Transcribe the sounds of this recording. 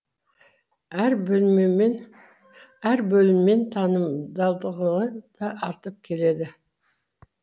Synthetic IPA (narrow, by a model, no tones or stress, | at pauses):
æɾlmemn | æɾbɵlɪmːe̞nt̪ʰɑnəmd̪ɑlˠd̪əʁənəd̪̥ɑʔɑɾt̪əp̚kʲʰe̞le̞d̪ɪ